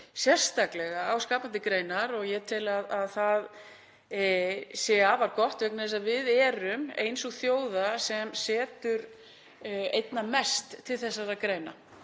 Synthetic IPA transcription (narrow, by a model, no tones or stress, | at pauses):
sjɛr̥st̪aklɛɣaawskaːpant̪ɪkɾeːjnaɾɔɣjɛt̪ʰɪlaðaðθað | sɛavaɾkɔht̪œknθɛsaðvɪðɛːɾʏmḛjnsɔɣθjoːwðasɛmsɛːt̪ʏɾ | ḛjt̪namɛst̪ʰːɪlθɛsːaɾaðkɾeːjna̰